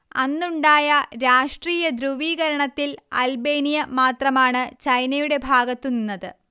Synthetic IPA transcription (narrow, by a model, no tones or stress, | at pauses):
ɐnːuɳɖaːjɐɾaːʂʈriːjɐd̪ɾuʋiːɣɐɾɐɳɐt̪ːilɐ̰lbe̞ːnijɐmaːt̪rɐmaːɳɨt͡ɕɐjnɐjuɽe̞bʱaːɡɐt̪ːuninːɐðɨ